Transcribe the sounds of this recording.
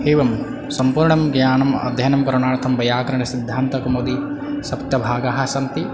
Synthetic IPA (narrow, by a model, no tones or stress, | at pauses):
heːʋɐm | sɐmpuːɾɳɐmɡjaːɳɐmɐ̰d̪ʱjɐnɐmkɐɾɐɳaːɽt̪ʰɐmbɐjaːkɐɾɐɳɐsid̪ʱːaːnt̪ɐkɐmoːd̪i | sɐpt̪jɐbʱaːɡaɦɐ̆sɐmt̪i